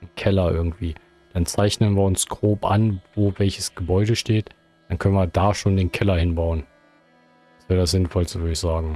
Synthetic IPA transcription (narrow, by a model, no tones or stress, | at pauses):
nkʰɛlɐʔɪ̰ɐɡŋ̩tv̥iː | d̥ant͡saɪçnənviːɐʊnsɡ̥ʁoːpʔa̰nvoːvɛlçəsɡ̥əbɔʏɾəʃteːt | d̥ankʰœnənviːɐdaːʃoːndeːnkʰɛlɐhɪnbaʊən̥ | asv̥eːɐdasz̥ɪnfɔlstəvʏɐəɪçz̥aːɡŋ̩